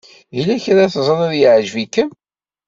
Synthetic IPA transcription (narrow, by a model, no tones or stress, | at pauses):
ilæçɾaθzˤəɾˤæðjəʕʒvikːən